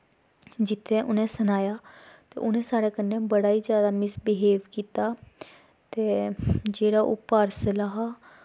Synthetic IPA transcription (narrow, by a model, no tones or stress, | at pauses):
d͡ʒɪt̪ʰːeːʔʊnẽːsənaːjaːt̪ḛːʔʊnẽːsaːɾeːkənːeːbəɽaːiːd͡ʒjaːd̪aːmɪsbɪɦeːʋkiːt̪aː | t̪eːd͡ʒeːɽaːʔʊpːaːɾsəlaːɦaː